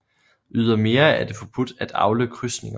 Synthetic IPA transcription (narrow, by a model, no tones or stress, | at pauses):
ʔyð̞ˠɐme̝ːɐæd̥e̝fɒ̽b̥ud̥æd̥ɑ̈ʊləkʰʁysne̝ŋɐ